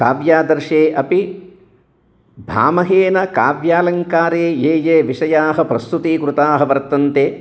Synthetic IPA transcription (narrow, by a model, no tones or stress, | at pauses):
kaːʋjaːd̪ɐɾʂeːʔɐpi | bʱa̰ːmɐɦeːnɐkaːʋjaːlɐŋkaːɾeːeːjeːʋiʂɐjaːɦɐpɾɐst̪ut̪iːkɾut̪aːɦɐʋɐɾt̪ɐnt̪eː